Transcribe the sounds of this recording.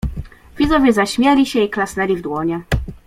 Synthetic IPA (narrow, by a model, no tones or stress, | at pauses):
vʲizɔvʲjɛzaɕmʲjɛlʲiɕɛiklasnɛlʲivd̪wɔɲɛ